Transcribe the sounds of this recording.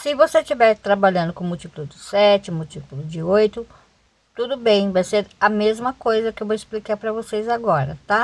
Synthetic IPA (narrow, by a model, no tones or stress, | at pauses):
sɪvoset͡ʃivɛɾt̪ɾabaʎɐ̃nd̪ʊkõmʊt͡ʃipʊlʊd͡ʒɪsɛt͡ʃɪmʊt͡ʃipulʊd͡ʒɪojt̪ʊ | t̪ud̪ʊbẽj̃vajseɾɐmezmɐkojzɐkɪewvoɪsplikaɾpɾɐvosejzaɡɔɾɐ̰t̪a